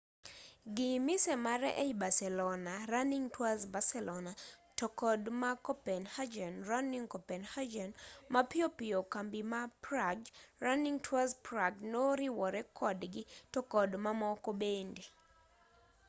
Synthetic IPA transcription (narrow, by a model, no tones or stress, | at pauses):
ɡɪmɪsɛmaɾɛ̰ʔeibasɛlɔnaɾaniŋtwazbasɛlɔnatɔkɔdmakɔpɛnhad͡ʒɛnɾaniŋkɔpɛnhad͡ʒɛnmapɪopɪjɔkambimapɾaɡraniŋtʰwazpɾaɡnoɾɪwɔɾɛkʰɔdɡɪtɔkɔdmamɔkobende